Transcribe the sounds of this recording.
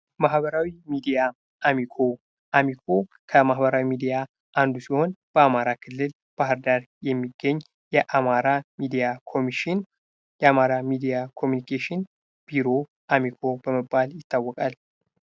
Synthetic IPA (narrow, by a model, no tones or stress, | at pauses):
mahbəɾawimid̪ija | ʔamikʰo̞ | ʔamikʰo̞ | kʰəmahbəɾawimid̪ija | ʔand̪usiho̞nb̥əamaɾakʰɨlːɨl | b̥ahɨɾd̪aɾjɛmːiɡːəɲː | jɛʔamaɾamid̪ijakʰo̞miʃɪn | jɛamaɾamid̪ijakʰo̞mjunikʰeʃɪn | b̥iɾo̞ | ʔamikʰo̞bəməbːaljɪt̪ʰːawːɔkʼal